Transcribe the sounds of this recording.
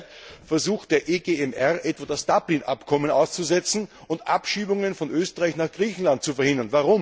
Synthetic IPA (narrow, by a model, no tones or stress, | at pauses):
fɛɐzuːxtd̥eːɐʔeːɡeːɛmʔɛʁʔɛtvadasd̥aːplinʔa̰pkʰɔmənaʊst͡suzɛt͡sn̩ʊntʔa̰pʃiːbʊŋənfɔnʔøːstəʁaɪçnaːχɡ̥ʁiːçn̩lant̚t͡sufɛɐhɪndɐnvaʁʊm